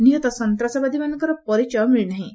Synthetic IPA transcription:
niɦot̪ɔsɔnt̪ɾasabad̪imankɔɾɔpɔɾit͡ɕɔmiɭnaɦĩ

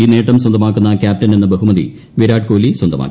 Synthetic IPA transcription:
iːneːʈːɐmswɐnd̪ɐmaːkːunːɐkʲaːp̚tɐnenːɨbɐɦumɐðḭ | ʋiɾaːɖ̚ko̞ːliswɐnd̪ɐma̰ːkː

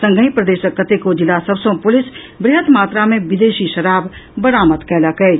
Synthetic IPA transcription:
sə̃ŋɡʱəĩːpɾəd̪eːʃəkːət̪eːkoːd͡ʒɪlaːsəbsõːpʊlɪs | bɾɪɦət̪maːt̪ɾaːmẽːʋɪd̪eːʃiːʃəɾaːbbəɾaːmət̪kɛːlaːkɐeː

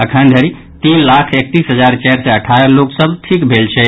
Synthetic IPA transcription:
əkʰənd̪ʱəɾi | t̪inlakʰek̚t̪isɦəd͡ʒaɾt͡ʃɛɾseəʈʰaəɾloksəbʈʰikbʱelt͡ʃʰɛ

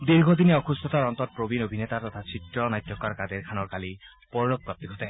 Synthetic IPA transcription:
d̪iɾɡʱod̪ineɔkust̪ʰɔt̪aɹɔnt̪ɔt̪̚pɹobinobʱinet̪aɾt̪ɔt̪ʰasʰit̪ɹɔnajt̪ːjɔkaɾkad̪eɾkʰanɔɹkali | pɔɹlok̚kap̚t̪iɡʱɔt̪ɛ

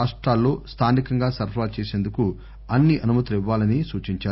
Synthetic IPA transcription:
aːʂʈɾaːlːo̞ːst̪ʰaːnikɐŋɡaːsɐɾaːlt͡ʃeːse̞ːnd̪uku | ɐnːiʔɐnumɐt̪iʋːaːlɐnisuːt͡ʃiɲt͡ʃaː

